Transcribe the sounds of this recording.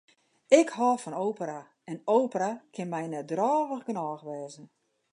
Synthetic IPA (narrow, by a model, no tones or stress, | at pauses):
ɪkhɔːfɔnowpəɾa | ɛnoːpərakʰɪnmɛjnɛdrɔːʋəɣɡənɔːxʋɛːzən